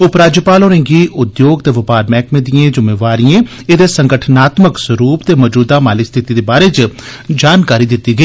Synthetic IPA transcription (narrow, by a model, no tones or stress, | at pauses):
ʊpɾaːd͡ʒjəpaːloːɾẽŋɡiːʔʊd̪joːɡt̪eːʋɪpaːɾmɛːkmẽːd̪ijẽːd͡ʒʊmeːʋaːɾiẽː | ɪd̪eːsə̃ŋɡəʈʰnaːt̪məksəɾuːpt̪eːmɔːd͡ʒuːd̪aːmaːlist̪ʰɪt̪iːd̪eːbaːɾeːd͡ʒ | d͡ʒaːnkaːɾiːd̪ɪt̪ːiːɡəiː